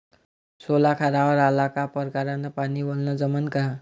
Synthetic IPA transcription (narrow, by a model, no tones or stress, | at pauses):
solakʰaɾawɔɾalakapʌɾkaɾanapanibolnʌd͡zʌmənka